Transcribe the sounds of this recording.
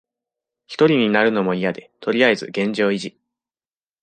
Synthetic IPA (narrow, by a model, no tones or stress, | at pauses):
çi̥t̪o̞ɾʲiɲ̟inaɾɯ̟no̞mo̞ijad̪e̞t̪o̞ɾʲiae̞zɨɡẽ̞ɲ̟d͡ʑo̞ːiʑi